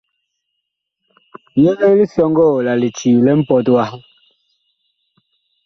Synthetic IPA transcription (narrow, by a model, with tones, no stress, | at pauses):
jɛ˦ɛ˦li˦sjɔ˦ŋɡɔː˦˨la˨li˨t͡ʃiː˨lɛ˦m̩˦pɔ˨twa˦